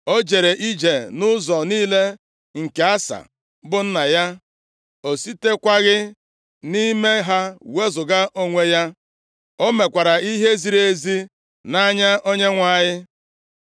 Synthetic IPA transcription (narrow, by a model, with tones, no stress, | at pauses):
o˦d͡ʒe˨ɾe˨ʔi˦d͡ʒe˨nʊ˦zɔ˨niː˦le˦ | ŋ̩˨ke˨a˦sa̰˨ | bʊ˦n̩˦na˨ja˦ | o˨si˦te˦kʷa˦ɣɪ˦ | ni˦me˦ɦa˦we˦zʊ˨ɡa˦ʔo˦ŋʷe˦ja˦ | o˦me˨kʷa˨ɾa˨i˦ɦe˦zi˨ɾe˨e˦zi˦ | na˦ɲa˦ʔo˦ɲe˦ŋʷa˦˨ɲɪ˦